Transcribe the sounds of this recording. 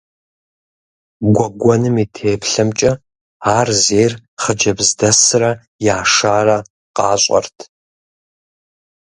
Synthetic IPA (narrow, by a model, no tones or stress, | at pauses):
ɡʷɔɡʷɔnɨmiːtʰeːpɬɐmt͡ʃʼɐ | aːrzeːrχəd͡ʒɐbzdɐsɨrɐ | jaːʂaːrɐ | qɑːɕʼɐ̰rtʰ